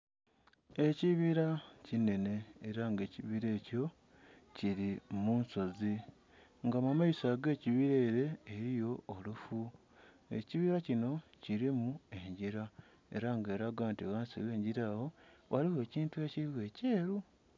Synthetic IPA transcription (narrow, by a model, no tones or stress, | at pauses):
e̞ciβiɾacine̞ne̞ːɾaŋɡe̞ːciβiɾe̞ːco̞ | ciɾimuːnso̞zi | ŋɡamamaisaɡe̞ːciβiɾe̞ːɾe̞ːɾijo̞ːlufu | e̞̰ciβiɾacino̞ciɾimue̞ɲɟiɾa | e̞̰ɾaŋɡeːɾaɡaːntiɣaːnsḭɣwe̞ːɲɟiɾawo̞waliwe̞ːciːntueciiwe̞ːce̞ːɾu